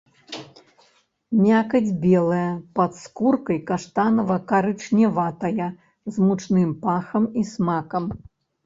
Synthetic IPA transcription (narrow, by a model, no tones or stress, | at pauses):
mʲakɐd͡zʲbʲɛlˠɐjɐpɐt̪skurkɐjkaʂt̪anɐvɐkaɾɨt͡ʂnʲɛvat̪ɐjɐ | zmut͡ʂnɨmpaxɐmismakɐm